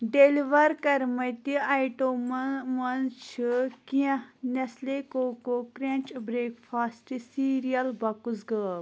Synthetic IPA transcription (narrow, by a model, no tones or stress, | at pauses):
ɖeliʋɐɾkɐɾmɐt̪iajʈommɐnt͡ʃʰikiɐ̃hnɐslekoːkokɾẽnt͡ʃbɾeːkfʰaːsʈisiːɾijɐlbɐkuzɡəː